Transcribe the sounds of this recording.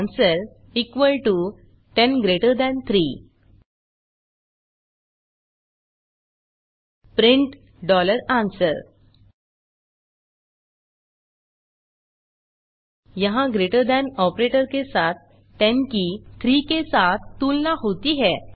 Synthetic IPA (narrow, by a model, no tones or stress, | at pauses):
nsəɾ | ikʋəlʈu | ʈẽnɡɾeʈəɾd̪ãnt̪ʰɾi | pɾiɳʈ | ɖɔləɾãnsəɾ | jəɦãɡɾeʈəɾd̪ãnɔpɾeʈəɾkesat̪ː | ɛ̃nkit̪ʰɾiːkesat̪ːulnahot̪iɦɛ